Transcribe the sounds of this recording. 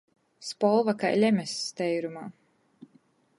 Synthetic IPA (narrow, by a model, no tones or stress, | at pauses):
spɔlˠvaka̰jlʲɛmʲɛst̪ɛjɾumaː